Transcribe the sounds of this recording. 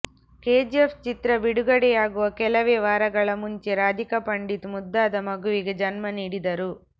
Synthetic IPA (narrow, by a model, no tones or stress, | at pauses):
keːd͡ʒepʰt͡ʃit̪ɾɐbiɽuɡɐɽɛjaːɡuʋɐkɛlɐʋeːʋaːɾɐɡɐɭɐmuɲt͡ʃeɾaːd̪ʱikɐpɐɳɖit̪mud̪ːaːd̪ɐmɐɡuʋiɡed͡ʒɐnmɐniːɽid̪ɐɾu